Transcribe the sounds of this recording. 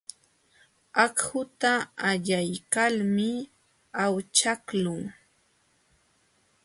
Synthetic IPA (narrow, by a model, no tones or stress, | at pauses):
akhʊt̪aːʎajkalmɪ | awt͡ʃaklʊŋ